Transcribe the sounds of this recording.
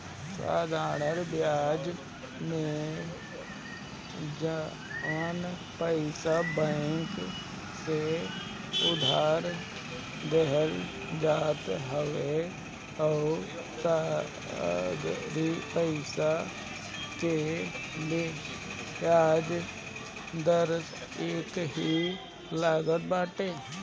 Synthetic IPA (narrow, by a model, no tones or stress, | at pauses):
sa̰ːd̪ʱaːnəɾbjaːd͡ʒ | mẽ | d͡ʒ | ən | pəɪsabəŋk | se | ʊd̪ʱaːɾ | d̪ɛɦəɾ | d͡ʒaːt̪ɦəwe | ɔː | sa | d̪ɾipəɪsa | keb | aːd͡ʒ | d̪əɾ | eːkɦi | laːɡət̪̚baːʈeː